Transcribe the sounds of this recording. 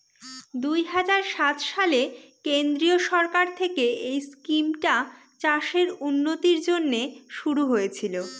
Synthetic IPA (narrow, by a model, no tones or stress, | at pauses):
d̪ujɦad͡ʑaɾʃat̪ʃalekend̪ɾioʃɔɾkaɾt̪ʰekeejskimʈa | t͡ɕaʃeɾunːot̪iɾd͡ʑonːeʃuɾuɦojet͡ɕʰilo